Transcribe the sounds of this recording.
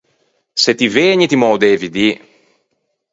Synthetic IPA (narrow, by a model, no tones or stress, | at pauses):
set̪iveːɲit̪imɔwd̪eːvid̪i